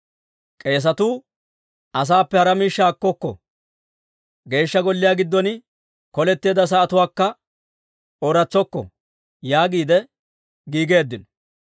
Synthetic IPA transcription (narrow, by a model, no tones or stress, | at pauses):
kʼe̞ːs̬ɐt̪uː | ʔɐs̬aːpːɛhɐɾɐmiːʃːaːkːɔkːɔ̰ | ɡe̞ːʃːɐɡɔlːɪjaːɡɪd̪ːɔn | kɔlɛt̪ːe̞ːd̪ɐs̬ɐːt̪ʊwaːkːɐ | ɔɾɐt͡sːɔkːɔ̰ | jaːɡiːd̪ɛ | ɡiːɡe̞ːd̪ːɪnɔ̥